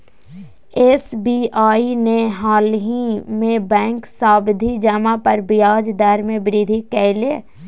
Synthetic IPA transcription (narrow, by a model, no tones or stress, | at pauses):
eːsbiaːineɦaːlɦimẽbɛ̃ːŋksaːbd̪ʱid͡ʒəmãpəɾbɪjaːd͡ʒd̪aɾmẽbɪɾid̪ʱikɛːle